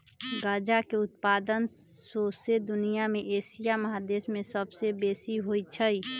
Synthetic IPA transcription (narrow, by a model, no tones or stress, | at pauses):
ɡaːd͡ʒakeʊt̪paːd̪ən | sosed̪ʊnijamẽʔeːsijaməɦad̪eːsmẽsəbsebeːsiɦoit͡ʃʰəi